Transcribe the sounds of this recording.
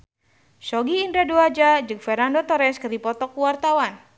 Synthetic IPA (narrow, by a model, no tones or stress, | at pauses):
ʃɔɡiːndɾaduad͡ʒad͡ʒɨk̚fɛrɾnandɔt̪ɔɾɛskɨrdipɔt̪ɔkuwart̪awan